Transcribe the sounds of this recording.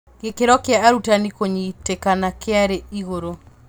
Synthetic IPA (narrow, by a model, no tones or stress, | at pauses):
ɡekeɾɔkɪaaɾutanikoɲitekanakeaɾeiɣoɾo